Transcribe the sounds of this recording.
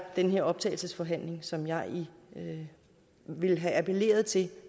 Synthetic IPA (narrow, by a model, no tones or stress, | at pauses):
d̥enɦe̝ɐɒ̽b̥t͡sʰɛ̰ːɪl̩səsfɒ̽ɦæn̰le̝ŋsɒ̽mjɑ̈ɪi | ʋe̝lɦææpʰe̝le̝̰ːɐð̞̩ˠt͡sʰe̝